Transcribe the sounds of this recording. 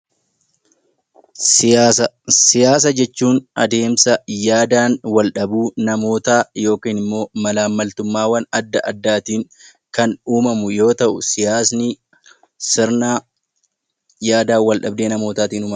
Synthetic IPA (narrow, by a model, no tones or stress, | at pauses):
sɪjaːs̬ɐd͡ʒɛt͡ʃːuːnɐ̰d̪e̞ːmsɐjaːd̪aːnwɐlᶑɐbuːnɐmo̞ːt̪aːjo̞ːkiːnɪmːo̞ːmɐlaːmːɐlt̪ʊmːaːwɐnɐd̪ːɐʔɐd̪ːaːt̪iːŋ | kɐnuːmɐmʊjo̞ːt̪ɐʔʊsɪjaːsni | sɪɾnaː | jaːd̪aːwɐlᶑɐbd̪e̞ːnɐmo̞ːt̪aːt̪iːnʊmɐ